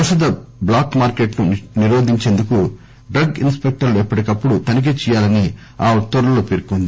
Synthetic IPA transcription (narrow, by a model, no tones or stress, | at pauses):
pɐʃɐd̪ɐblaːkmaːɾke̞ːʈnuniɾoːd̪iɲt͡ʃeːnd̪uku | ɖɾɐɡinspek̚ʈɐɾluɛpːɐʈikɐpːuɽut̪ɐnɐk̬eːt͡ʃɛjaːlɐni | aːt̪oɾlɐloːpeːɾkond̪i